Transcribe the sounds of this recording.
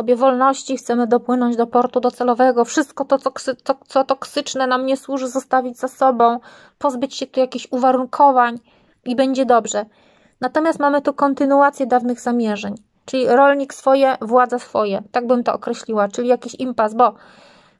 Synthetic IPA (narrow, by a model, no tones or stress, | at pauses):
sɔbʲjɛvɔlnɔɕt͡ɕixt̪sɛmɘd̪ɔpwɘnɔɲd͡ʑd̪ɔpɔɾt̪ud̪ɔt̪sɛlɔvɛɡɔfʂɘst̪̚kɔt̪ɔt̪sɔksɘɔt̪sɔt̪ɔksɘt͡ʂnɛnamɲɛswuʐɘzɔst̪avʲid͡ʑzasɔbɔ̃w̃ | pɔzbɘt͡ɕɕɛt̪ujakʲiɕuvaɾuŋkʰɔvaɲ | ibɛɲd͡ʑɛd̪ɔbʐɛ | nat̪ɔmʲjast̪mamɘt̪ukɔnt̪ɘnuat̪sʲjɛd̪avnɘɣzamʲjɛʐɛɲ | t͡ʂɘlʲiɾɔlɲiksfɔjɛvwad̪zasfɔjɛt̪aɡ̚bɘmt̪ɔ̰ʔɔkɾɛɕlʲiwat͡ʂɘlʲijakʲiɕimpasbɔ